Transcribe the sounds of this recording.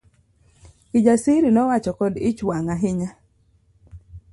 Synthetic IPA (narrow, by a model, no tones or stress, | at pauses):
ɪd͡ʒasiɾinɔwat͡ʃɔkɔdɪt͡ʃwaŋaɦɪɲa